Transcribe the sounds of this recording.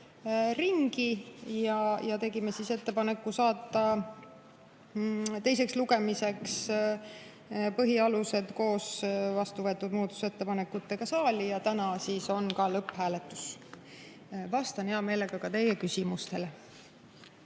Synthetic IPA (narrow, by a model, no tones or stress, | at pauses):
riŋɡ̥ijɑjɑt̪e̞ɡime̞sise̞t̪ːe̞pɑne̞kːˑusɑːt̪ːˑɑ | t̪e̞js̬e̞ksluɡe̞mise̞ks | pɤɦiɑluse̞d̪̥ko̞ːsvɑst̪uvɤ̞t̪ːud̪̥muːt̪ːu̥se̞t̪ːe̞pɑne̞kːut̪ːe̞ɡ̥ɑsɑːlʲijɑt̪ænɑsiːso̞nkɑlɤpːhæːlet̪ːˑu̥s | vɑst̪ɑneɑme̞ːleɡ̥ɑkɑt̪e̞je̞kysimust̪e̞le